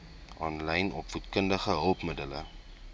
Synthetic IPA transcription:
ʔɑːnlɛjnɔpfutkəndəχəɦəlˠpmədələ̰

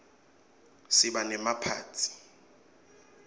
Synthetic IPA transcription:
sɪɓanɛmapʰa̰ːtʰi̥

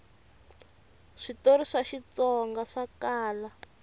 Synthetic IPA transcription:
ʂitoɾiʂaʃit͡sɔŋɡaʂakaːla

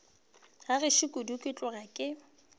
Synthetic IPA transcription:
ɣarɪʃɪkʼʊdukʼɪt͡ɬʼʊrakʼɪ

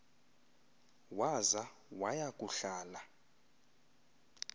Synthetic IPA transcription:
waza | wajakʼuɬaːla

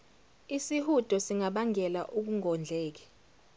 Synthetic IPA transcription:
isihud̥ʱɔsiŋaɓaŋɛla̰ʔuk̬uŋʱɔnd͡ɮʱɛːk̬ɛ̥

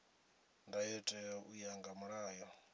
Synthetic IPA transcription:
ndajɛtʼɛɔʔujaŋɡamuɺaːjɔ

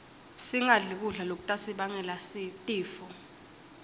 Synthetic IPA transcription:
siŋaɮik̬uɮalok̬utʼasiɓaŋɛlasitʼiːfɔ

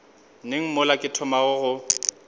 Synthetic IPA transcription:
neŋ̩mʊlakʼɪtʰʊmaɣʊɣʊ

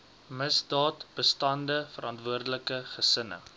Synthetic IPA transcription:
məsdɑːtb̥əstɐndəfəɾʔɐntvuərdələkəχəsənə̰

